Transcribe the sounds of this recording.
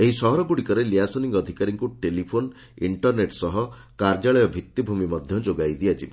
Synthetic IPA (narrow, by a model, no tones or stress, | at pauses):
eɦisɔɦɔɾɔɡuɽikɔɾeliasoniŋɡɔd̪ʱikaɾiŋkuʈelipʰon | iɳʈɔɾneʈsɔɦɔ | kaɾd͡ʒaɭɔjɔbʱit̪ːjibʱumimɔd̪ʱjɔd͡ʒoɡajd̪iad͡ʒib